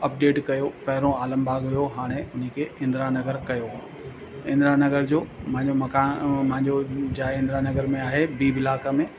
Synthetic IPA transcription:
ɐp̚ɖeːʈkɐjopɐɦɪɾõaːləmbʱaːɡɦʊjoɦaːɽ̃eʊn̤əkʰeɪ̃nd̪ɾanɐɡəɾkɐjo | ɪ̃nd̪ɾanɐɡəɾd͡ʑoːmɐ̃ɦɪ̃ɲd͡ʑomɐkaːm̃ɦɪ̃ɲd͡ʑod͡ʑaːɪ̃nd̪ɾanɐɡəɾmẽaːɦebiːbɪlaːkamẽ

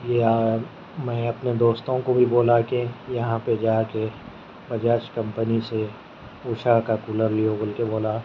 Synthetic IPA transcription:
jea | mɛ̃ːɐpned̪oːst̪õkobʱiboːlakejɐɦãped͡ʒaːke | bɐd͡ʒaːt͡ʃkɐ̃mpənise | uːʃakakuːləɾlijoboːlkeboːla

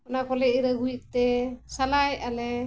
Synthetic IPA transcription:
ɔnakɔlɛʔiɾaɡuit̚t̪ɛsalajalɛ

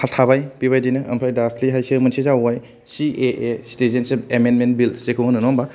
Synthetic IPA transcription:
haltʰabajpiβajdinɯɐ̰mpʰajdakʰliɦajsɯmɯnsizawaj | sieʔestezenseemenmenbilsekʰɯɦɯnɯnɔmba

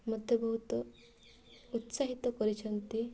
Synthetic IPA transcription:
mɔd̪ʱjɔbɔɦut̪ɔ | ut̪saɦit̪ɔkɔɾit͡ʃʰʌnt̪i

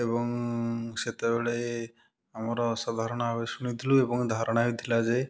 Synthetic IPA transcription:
ebɔŋset̪ebeɭe | amɔɾɔsad̪ʱaɾɔɽ̃ɔabesunid̪ʱʰiluebɔŋd̪ʱaɾɔɽ̃aid̪ʰilad͡ʒe

